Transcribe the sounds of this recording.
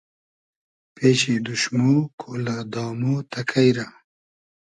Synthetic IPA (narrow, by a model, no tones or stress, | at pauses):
peːɕed̪uʃmokʰolad̪ɑːmot̪akʰajɾa